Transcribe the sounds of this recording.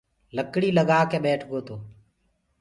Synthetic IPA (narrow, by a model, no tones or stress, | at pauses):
ləkɽiːləɡaːkeːɓɛːʈʰɡoːt̪oː